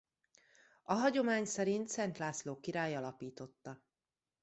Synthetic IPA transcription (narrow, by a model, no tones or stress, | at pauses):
ɒɦɒɟo̞maːɲsɛɾint̪sɛnt̪laːsloːkiɾaːjɒlɒpiːt̪o̞t̪ːɒ